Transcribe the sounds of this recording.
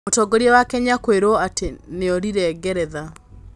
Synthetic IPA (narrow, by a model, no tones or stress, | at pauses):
otɔɡoɾiɛwakɛɲakweɾoateneɔɾiɾɛɡɛɾɛða